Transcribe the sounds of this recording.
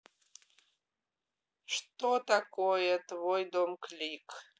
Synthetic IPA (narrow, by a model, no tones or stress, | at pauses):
ʂt̪ot̪akojɛt̪vojd̪omkʰlikʰ